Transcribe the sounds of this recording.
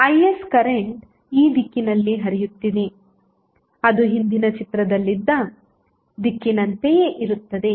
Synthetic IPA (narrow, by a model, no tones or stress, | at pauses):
ɐjeskɐɾeɳʈ | iːd̪ikːinɐlːiɦɐɾijut̪ːid̪e | ɐd̪uɦind̪inɐt͡ʃit̪ɾɐd̪ɐlːid̪ːɐ | d̪ikːinɐnt̪ejeʔiɾut̪ːɐd̪e̞